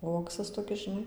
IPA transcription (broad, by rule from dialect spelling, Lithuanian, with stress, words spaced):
ˈuɔksɐs toːˈkʲɪs ʒʲɪˈnɐɪ